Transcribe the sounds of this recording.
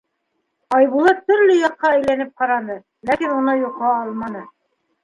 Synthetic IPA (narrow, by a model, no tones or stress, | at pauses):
ɑjβulˠɑt̪ːɵ̆ɾlɘjɑqːɑæjlænɘp̚qɑɾɑnɤ | lækinunɤjuqːɑɑlˠmɑnɤ